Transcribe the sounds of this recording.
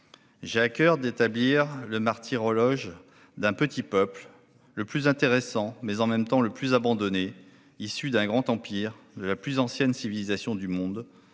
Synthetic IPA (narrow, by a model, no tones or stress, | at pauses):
ʒeakʲœʁd̪et̪abliʁləmaʁt̪ʰiʁɔlɔʒ | d̪ɛ̃pət̪ipœpl | ləplyzɛ̃t̪eʁesɑ̃mɛzɑ̃mɛmt̪ɑ̃ləplyzabɑ̃d̪ɔne | isyd̪ɛ̃ɡʁɑ̃t̪ɑ̃piʁd̪əlaplyzɑ̃sjɛnsivilizasjɔ̃d̪ymɔ̃d̪